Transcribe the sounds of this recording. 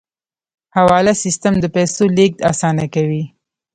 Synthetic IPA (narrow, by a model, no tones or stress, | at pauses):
hawɑlasist̪əmd̪əpɛsolek̚d̪a̰sɑnakawi